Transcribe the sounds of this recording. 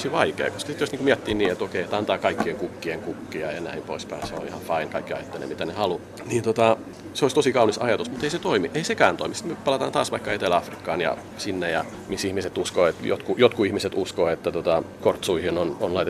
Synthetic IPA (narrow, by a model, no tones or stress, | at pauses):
osiʋɑikḛːkoskɑ̥sit̪josniŋkumiæt̪ːiːnniːet̪okeiet̪ɑnt̪ɑːkɑikːieŋkukːieŋkukːiɑjɑnæimpo̰ispɑinseo̰ihɑfɑinkɑikːiɑ̰jt̪ːelḛmit̪ænehɑlu | niːnt̪ot̪ɑ | seoˑist̪osikɑunisɑ̰jɑt̪usmut̪eiset̪oimiʔeisekæːnt̪o̰imisi̥t̪myøpɑlɑt̪ɑːnt̪ɑ̰ːsʋɑikːɑet̪elæɑfrikːɑ̰ːnjɑ̰ | sinːejɑ | misihmiset̪uskoːet̪jo̰t̪kujot̪kuihmiset̪uskoːet̪ːæt̪ot̪ɑkort̪suihinononlɑit̪e